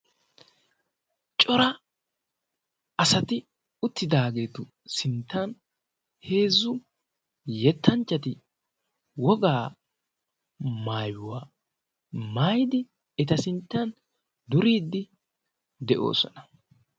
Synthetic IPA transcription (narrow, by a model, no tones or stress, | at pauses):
t͡ʃʼɔɾɐ | ɐsɐt̪ɪ | ʊt̪ːɪd̪aːɡe̞ːt̪ʊ | sɪnt̪ːɐn | he̞ːzːʊ | jɛt̪ːɐnt͡ʃːɐt̪ɪ | wɔɡaː | maːjʊwa | maːjd̪ɪ | ɛt̪ɐsɪnt̪ːɐn | d̪ʊɾiːd̪ːɪ | d̪ɛʔo̞̰ːsɔ̰nɐ